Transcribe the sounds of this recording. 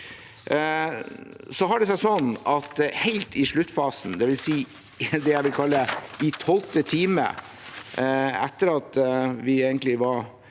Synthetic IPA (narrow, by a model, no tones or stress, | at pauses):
sɔɦɑɖɛs̬æɪsɔnːɑt̪hɛɪlt̪ɪʂɭʉt̪ːfɑːsn̩d̪ɛʋɪlsiː | d̪ɛjæɪʋɪlkʰɑlːəɪt̪ʰɔlt̪ət̪ʰiːmə̰ | æt̪ːəɾɑt̪ʋɪeːɡənt̪lɪʋɑɾ